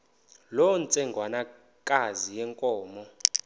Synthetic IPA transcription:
lɔnt͡sʼɛŋɡʱwana | kʼazijɛŋkʼɔːmɔ

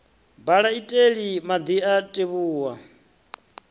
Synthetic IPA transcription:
baɺaitʼeɺimad̪iatʼeβuːwa

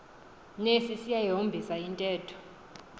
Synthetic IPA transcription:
nesisijajiɦombʱisaintʼɛːtʰɔ̥

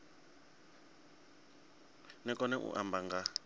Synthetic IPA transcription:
nɛkʼɔnɛʔṵʔambaŋɡa

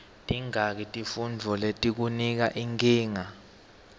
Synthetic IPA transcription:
tʼiŋak̬itʼifund͡vʱɔletʼik̬unik̬aʔiŋkʼiːŋa

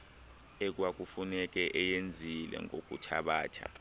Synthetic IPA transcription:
ek̬wak̬ufunɛk̬ɛʔɛjend͡zʱilɛ̰ŋok̬ʼṵtʰaɓaːtʰa̰

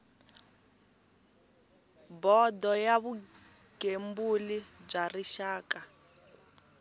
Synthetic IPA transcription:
bɔdɔjaβu | ɡ̥embulib͡ʐariʃaːka

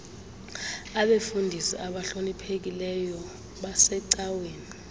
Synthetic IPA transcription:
aɓefundʱisiʔaɓaɬonipʰek̬ilɛjɔ | ɓasɛǀaweːni

